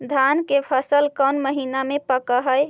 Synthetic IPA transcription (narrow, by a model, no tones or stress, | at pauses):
d̪ʱankepʰəsəlkənməɦinamepəkəɦəj